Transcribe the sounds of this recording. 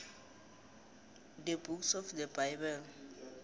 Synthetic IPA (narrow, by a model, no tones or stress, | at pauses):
dəbuksɔfdəbajbɛl